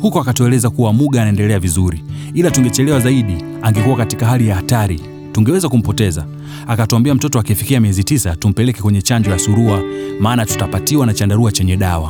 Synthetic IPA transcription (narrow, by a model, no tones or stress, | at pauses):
hukɔakatuɛlɛzakuwamuɠaːnaɛndɛlɛavizuɾi | ilatuŋɡɛt͡ʃɛlɛwazaiɗi | aŋɡɛkuwakatikahɦalijahataɾi | tuŋɡɛwɛzakum̩pɔtɛza | akatuambiam̩tɔtɔakɛfikiamiɛzitisatum̩pɛlɛkɛkwɛɲɛt͡ʃaɲd͡ʒɔjasuɾuamaːnatu̥tapatiwanat͡ʃandaɾuat͡ʃɛɲɛɗawa̰